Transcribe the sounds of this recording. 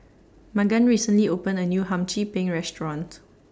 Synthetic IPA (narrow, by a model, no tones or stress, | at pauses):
maɡãnɹisə̃nliopə̃nənjuɦãmt͡ʃipẽŋɹɛstɹɔ̃nt